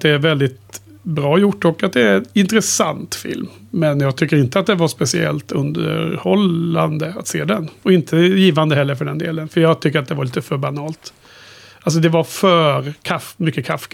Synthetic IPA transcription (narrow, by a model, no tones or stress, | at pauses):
d̪ɛæɾvɛld̪ɪt̪ | bɾɑːjʊʈːɔkːat̪̚d̪ɛɪnt̪ɾəsa̰nt̪fɪ̰lmː | ɛnjɑːɡ̚t̪ʰʏkːəɾɪnt̪əat̪̚d̪ɛvaʂpɛsɪɛ̰lt̪ɵ̰nd̪ə̰ɾhɔland̪əat̪sḛːd̪ɛnɔɪnt̪ʰəjiːvand̪əhɛlːəɾfœɖɛnd̪ḛːlənfœɾjɑːɡt̪ʰʏkːəɾat̪̚d̪ɛvaɭiːt̪əfœɾbanɑːlt̪ | ʔals̬ɔd̪ɛvaɾfœɾkʰafmʏkːəkʰafː